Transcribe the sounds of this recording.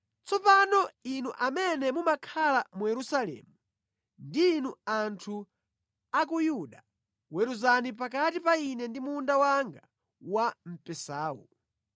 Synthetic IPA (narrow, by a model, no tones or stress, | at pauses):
t͡sɔpanɔinuʔamɛnɛmumakʰalamujɛɾusalɛ̰ːmu | ndiːnuantʰu | ak̬ujuɗa | wɛɾuzanip̬ak̬atipainɛndimundawaŋɡa | wam̩pɛsaːṵ